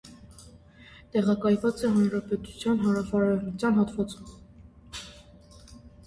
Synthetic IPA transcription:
t̪ɛʁɑkɑjvɑt͡sɛɦɑnɾɑpɛt̪u̥t͡sʰjɑnɦɑɾɑfɑɾɑnut͡sʰjɑnɦɑt̪vɑt͡sum

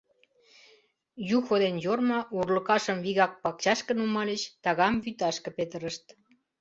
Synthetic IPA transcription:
juxod̪enjormɑʔurlə̆kɑʃəmviɣɑk̚pɑk̚t͡ɕɑʃkə̆numɑlʲət͡ɕt̪ɑɣɑmvyt̪ɑʃkə̆pet̪əɾəʃt̪

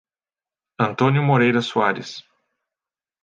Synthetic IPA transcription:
ɐ̃nt̪õnjʊmoɾejɾɐsuaɾɪs

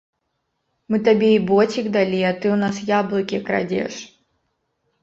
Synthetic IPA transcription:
mɨt̪ɐbʲeibotʲɪɡd̪ɐlʲiɐt̪ɨʊnasjablˠɨkʲɪkɾɐ̰dʲḛʂ

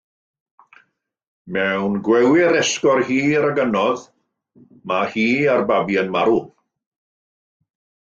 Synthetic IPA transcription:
mɛwnɡwɛwɪɾɛskɔrhiːəɾaɡənɔð | mahiːarbabiənmaɾu

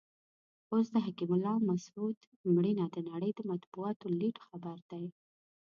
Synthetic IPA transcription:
osd̪əɦakimʊlːɑmasud̪ | mɽinad̪ənaɽəjd̪əmat̪buɑt̪oliʈxabəɾd̪aj

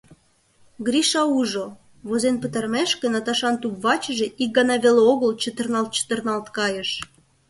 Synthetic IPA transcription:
ɡɾiʃɑuʒo | βozenpət̪ɑrmeʃkenɑt̪ɑʃɑnt̪upvɑt͡ɕəʒĕʔik̚ɡɑnɑβeleoɣəlt͡ɕət̪ə̆rnɑlt̪̚t͡ɕə̥t̪ərnɑlt̪kɑjəʃ

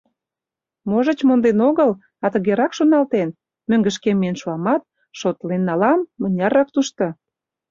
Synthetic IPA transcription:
moʒə̆t͡ɕmond̪enoɣəl | ɑt̪əɣeɾɑkʃonɑlt̪en | møŋɡəʃkemeenʃuɑmɑt̪̚ | ʃot̪lenːɑlɑmːə̆nʲɑrɑk̚t̪uʃt̪o

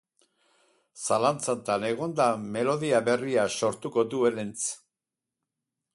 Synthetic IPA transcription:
salant͡sant̪ane̞ɣ̞o̞nd̪ame̞lo̞ðiaβe̞riaso̞ɾt̪uko̞d̪ue̞lent͡s

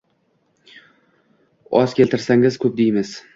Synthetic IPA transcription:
ɒz̥kʲelt̪ʰɪɾsaŋɪz̥kʰɵp̚d̪ejmɪz̥

